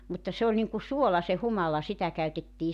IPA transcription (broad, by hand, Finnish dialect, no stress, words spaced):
mutːɑ se olʲ niŋku suolɑ se humɑlɑ sitæ kæytetːiː